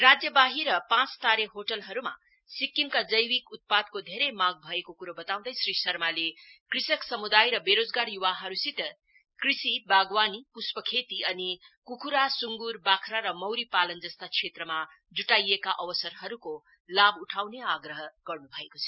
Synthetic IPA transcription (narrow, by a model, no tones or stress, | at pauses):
rad͡zjʌbaɦiɾʌpãt͡st̪aɾeɦoʈʌlɦʌɾuma̰ | sikːimkad͡zʌjwikut̪̚pad̪̚kod̪ʱeɾʌjmãɡ̚bʱʌekokuɾʌbʌt̪aw̃d̪ʌjsrisʌrmalekrisʌksʌmud̪ajɾʌbeɾod͡zɡarjuwaɦʌɾusit̪ʌ | krisibaɡwanipuspʌkʰet̪iʌnikukʰuɾasuŋɡurbakʰɾaɾʌmʌwɾipalʌnd͡zʌst̪akt͡sʰet̪rʌma | d͡zuʈajekaʔʌwʌsʌrɦʌɾuko | labuʈʰawneaɡɾʌɦʌɡ̥ʌrnubʱʌekot͡sʰʌ̥